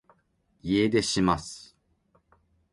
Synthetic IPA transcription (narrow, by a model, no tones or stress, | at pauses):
ied̪e̞ɕimasɨ̥